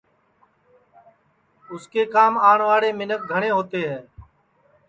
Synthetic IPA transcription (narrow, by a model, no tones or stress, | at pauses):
ʊskeːkaːmaːɳʋaːɽeːmɪnək̚ɡʱəɳ̃ẽːɦoːt̪eːɦɛː